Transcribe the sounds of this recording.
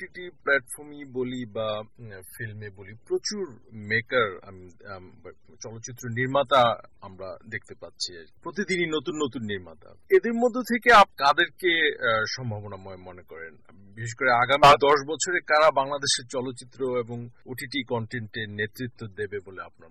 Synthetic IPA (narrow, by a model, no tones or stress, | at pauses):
ʈiʈiplɛʈfɔɾmibolibafilmebolipɾot͡ɕuɾmekaɾa̰mi | t͡ɕɔlot̪ːɕit̪ːɾoniɾmat̪aamɾa̰d̪ek̚ʰt̪epatːɕʰiapɾot̪id̪ininot̪unːot̪unːiɾma̰t̪a̰ed̪eɾmod̪ʱːot̪ʰekeapkad̪eɾkeʃɔmbʱabonamɔemɔnekɔɾḛn | biʃeʃ̬koɾeaɡamid̪ɔʃbɔt͡ɕʰoɾekaɾabaŋlad̪eʃeɾt͡ɕɔlot̪ːɕit̪ːɾoeboŋoʈiʈikɔɳʈeɳʈenet̪ɾit̪ːod̪ebeboleapnaɾ